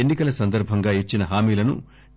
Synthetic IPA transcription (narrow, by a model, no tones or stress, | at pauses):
enːikɐlɐsɐnd̪ɐɾbʱɐŋɡaːit͡ʃːinɐɦaːmiːlɐnṵ